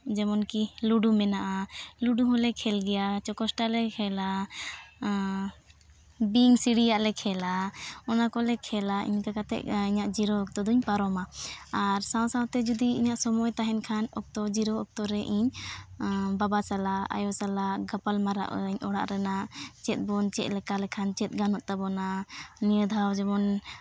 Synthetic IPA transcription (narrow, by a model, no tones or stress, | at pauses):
d͡ʒɛmɔnkiluɖumɛnaʔaluɖuɦɔ̃lɛkʰɛlɡɛjat͡ʃɔkɔsʈalɛkʰɛla | biŋsiɽijaʔlɛkʰɛlaɔnakɔlɛkʰɛlaʔḭɲkakat̪ɛ̰ʔiɲaʔd͡ʒiɾɔɔk̚t̪ɔd̪ɔɲpaɾɔmaaɾsãw̃sãw̃t̪ɛd͡ʒud̪iḭɲaʔsɔmɔjt̪aɦɛnkʰanɔk̚t̪ɔd͡ʒiɾɔɔk̚t̪ɔɾɛʔiɲ | babasalaa̰jɔsalaɡapalmaɾa̰ʔɲɔɽa̰ʔɾɛnat͡ʃɛt̪̚ˀbɔnt͡ʃɛʔ̪̚lɛkalɛkʰant͡ʃɛt̪̚ɡanɔʔt̪abɔnanijəd̪ʱawd͡ʒɛbɔn